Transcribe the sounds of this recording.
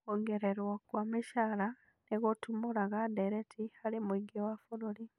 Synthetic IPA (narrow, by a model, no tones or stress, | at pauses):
oŋɡeɾeɾwokwamiʃala | neɣotumuɾaɣadeɾetihalimwiɡewafuɾuli